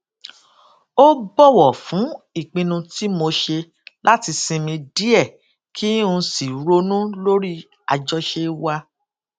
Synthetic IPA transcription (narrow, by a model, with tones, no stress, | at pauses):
o˦ɡ͡bɔ˦˨wɔ˨fũ˨˦i˦˨k͡pĩ˧nũ˧ti˦mo˧ʃe˧ | la˦ti˧sĩ˧mĩ˧di˦ɛ˦˨ | kʰi˦ũ˧si˨˦ɾo˧nũ˦lo˦ɾi˦ | a˧d͡ʒɔ˦ʃe˧wa˧